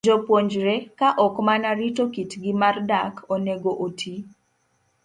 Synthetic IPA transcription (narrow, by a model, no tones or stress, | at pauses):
d͡ʒɔpwoɲd͡ʒɾɛkaʔɔkmanaɾitokitɡɪmardakʰoneɡoʔotʰi